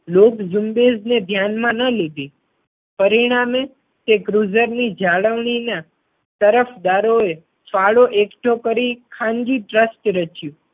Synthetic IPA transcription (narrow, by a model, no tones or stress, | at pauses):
lokd͡ʒumbed͡ʒned̪ʱjanmãnəled̪i | pəɾiɽ̃ame | t̪eɡɾuzəɾnid͡ʒaɭəʋɳ̃ina | t̪əɾəfd̪aɾoe | faɭoʔekʈʰokəɾikʰãŋɡiʈɾəsʈɾət͡ʃjũ